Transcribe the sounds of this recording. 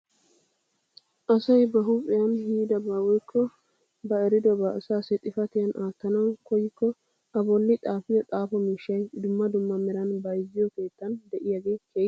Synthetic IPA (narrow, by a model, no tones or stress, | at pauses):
ʔɐsɐjbɐɦʊpʼɪjɐnhiːd̪ɐbaːwɔjkʰːɔ | bɐɛɾɪd̪ɔbɐsaːsɛt̪ʼɪfɐt̪ɪjɐnʔaːt̪ːɐnɐwkɔjɪkːɔ | ɐbɔlːɪt̪ʼaːfɪjɔt̪ʼaːfɔmiːʃːɐjd̪ʊmːɐd̪ʊmːɐmɛɾɐnbɐjzːɪjɔke̞ːt̪ːɐnd̪ɛʔɪjɐɡekeː